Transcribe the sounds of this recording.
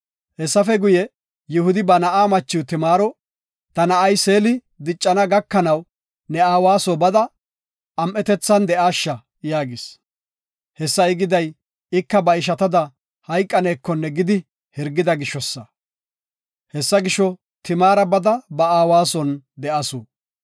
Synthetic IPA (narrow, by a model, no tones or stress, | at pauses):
hɛsːɐfɛɡʊjɛ | jɪhʊd̪ɪbɐnɐʔaːmɐt͡ʃːɪwt̪ɪmaːɾɔ | t̪ɐnɐʔɐjse̞ːlɪ | d̪ɪt͡ʃʼːɐnɐɡɐkːɐnɐw | nɛaːwaːsɔbɐd̪ɐ | ɐmʔɛt̪ɛt͡sːɐnd̪ɛʔaːʃːɐ | jaːɡɪs | hɛsːɐɪɡɪd̪ɐj | ɪkːɐbɐɪʃ̬ɐt̪ɐd̪ɐ | hɐjkʼːɐneːkːɔnːɛɡɪd̪ɪ | hɪɾɡːɪd̪ɐɡɪʃːɔsːɐ | hɛsːɐɡɪʃɔ | t̪ɪmaːɾɐbɐd̪ɐbɐaːwaːsɔnd̪ɛʔɐsuː